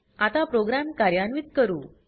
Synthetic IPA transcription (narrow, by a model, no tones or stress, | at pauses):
at̪apɾoɡɾamkaɾjanʋit̪̚kəɾuː